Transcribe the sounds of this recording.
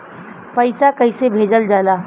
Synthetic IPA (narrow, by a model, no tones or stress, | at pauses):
pəɪsakəɪsebʱeːd͡ʒəld͡ʒaːlaː